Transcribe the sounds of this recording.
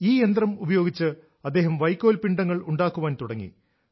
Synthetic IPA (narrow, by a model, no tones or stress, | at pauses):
iːjend̪rɐmubɐjo̞ːɡit͡ɕːɨ | ɐd̪ːe̞ːɦɐmʋɐjkʲːoːlpiɳɖɐŋːɐɭuɳɖaːkːuʋaːnt̪uɽɐŋːḭ